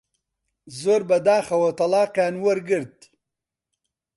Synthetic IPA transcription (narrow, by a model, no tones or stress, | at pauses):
zoɾbad̪aːxawot̪alɑːqjaːnwəɾɡəɾd̪̚d̪i̥